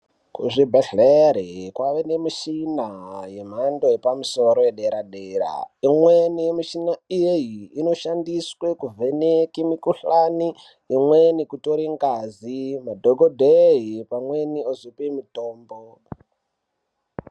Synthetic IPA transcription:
kṵʐibʱeɬeɾikwaʋenemiʃinajem̤andojepamusoɾojeɗeɾaɗeːɾa̰imwenijemiʃinaijejiːno̞ʃandiswekuvenekimikuɬaniː | mwenikutoɾiŋɡazimadʱoɡʱodʱeɦipamweniozipimitoːmbo

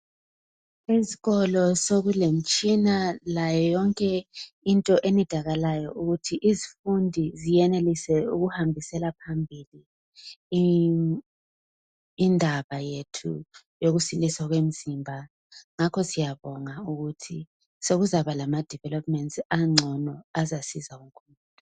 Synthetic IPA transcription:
eziɣɔlɔsoɣulem̩t͡ʃʼinalajɔjɔŋkʼɛ | intʼɔʔenid̥ʱaɣalajɔʔuɣutʰiʔizifundʱizijɛnelisɛuɣuhambʱisɛlapʰambʱili | ndʱaβajetʰṵ | joɣusiliswaɣwem̩zimbʱa | ŋakʰɔsijaβɔŋauɣutʰi | soɣuzaβalamad̥ʱivɛlɔpʼmɛntʼaŋ͡ǀʱɔnɔazasizauŋkʰɔnuɔ

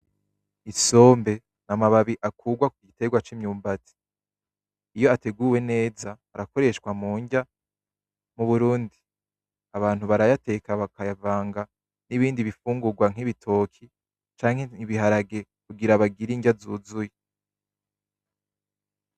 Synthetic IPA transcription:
iso̞ːmbe̞ | namaβaβiʔakʰuːɡwakuɡite̞ɡwat͡ʃimɲuːmbati̥ | ijo̞ate̞ɡuːwe̞ne̞ːzaːɾako̞ɾe̞ʃkwamuːɲɟa | muβuɾuːndi | aβaːn̥huβaɾajate̞kaβakajavaːŋɡa | niβiːndiβifuːŋɡuɡwaŋ̥iβitʰo̞kʰi | t͡ʃaːŋ̥he̞iβiɦaɾaɡe̞ | kuɡiɾaβaɡiɾiɲɟazuːzuje

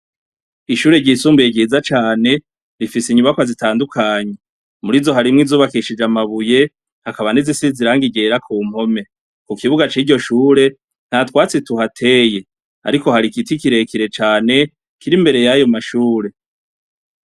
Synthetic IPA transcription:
iʃuːɾe̞ɟiːsuːmbieɟɟiːzat͡ʃaːne̞ | ɾifisiɲuβakwazitaːndukʰaːɲe | muɾizo̞ɦaɾimŋizuːβakiʃid͡ʒamaβuje̞ | hakaβanizisiziɾaːŋɡiɟeɾakʰuːm̥ho̞me̞ | kukiβuɡat͡ʃiːɟo̞ʃuːɾe̞ | n̥hatwaːt͡situhatʰe̞je̞ | a̰ɾiko̞haɾikitikiɾe̞kiɾe̞t͡ʃaːne̞ | kiɾimbe̞ɾe̞jajo̞maʃuːɾe̞

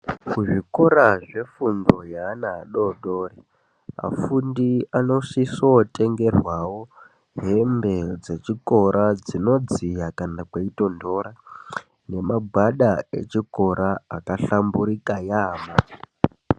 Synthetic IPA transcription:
kuʐiko̞ɾaʐe̞fundo̞jaːnaɦaɗo̞ɗo̞ːre | a̰fundiano̞ʃisote̞ŋɡe̞rwawo̞ | ɦe̞mbe̞d͡ze̞t͡ʃiko̞ɾʔad͡zino̞d͡zijakanakweito̞ndo̞ɾa | ne̞maɡʱwaɗae̞̰t͡ʃiko̞ɾʔaːkaɬambuɾikajaːma

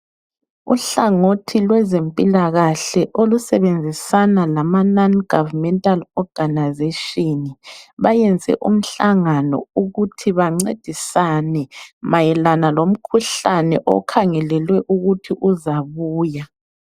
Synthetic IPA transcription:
ṵɬaŋotʰilwɛzempʼilaɣaɬɛʔolusɛβend͡zʱisanalamananɡ̥ʱavmɛntʼalɔɡ̥ʱanazeʃiniβajɛnd͡zʱɛ̰ʔṵm̩ɬaŋanɔ̰uɣutʰiβaŋ͡ǀed̥ʱisanɛmajɛlanalom̩kʰuɬanɛʔɔ̰kʰaŋɛlɛlwɛʔuɣutʰiʔuzaβuːja

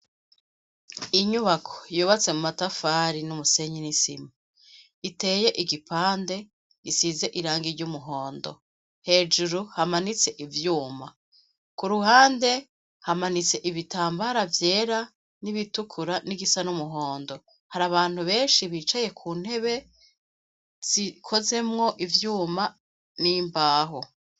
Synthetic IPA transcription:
iɲuβakʰo̥juːβat͡se̞mumatafaːɾinumuse̞ɲinisima | ite̞ːje̞ʔiɡipʰaːnde̞ | ɡisize̞ʔiɾaːŋɡiɾɟumuɦo̞ːndo̞̰ | he̞ːd͡ʒuɾuhamanit͡se̞ʔivjuːma | kuɾuhaːnde̞ | hamanit͡se̞ʔiβitaːmbaɾavje̞ːɾa | niβitukʰuɾaniɡisanumuɦo̞ːndo̞ | haɾaβaːn̥huβe̞ːnʃiβiːt͡ʃaje̞kʰuːn̥he̞βe̞ | z̥ikʰo̞ze̞mŋo̞ʔivjuːma | niːmbaːɦo

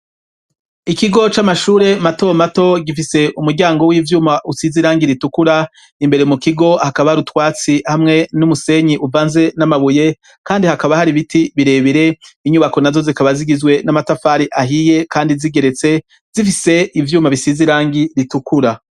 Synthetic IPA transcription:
ikiɡo̞t͡ʃamaʃuːɾe̞mato̞mato̞ɡifise̞ʔumuɾɟaːŋɡo̞wiːvjuːmaʔusiziɾaːŋɡiɾitukuɾa | imbe̞ɾemukiɡo̞hakaβahaɾutwaːt͡sihamŋe̞numuse̞ɲiʔuvaːnze̞namaβuje̞ | kaːndihakaβahaɾiβitiβiɾe̞ːβiɾe̞iɲuβako̞nazo̞zikaβaziɡizɡwe̞namatafaːɾiʔaɦije̞kʰaːndiziɡe̞ɾe̞t͡se̞ | z̥ifise̞ivjuːmaβisiziɾaːŋɡiɾitukuɾa

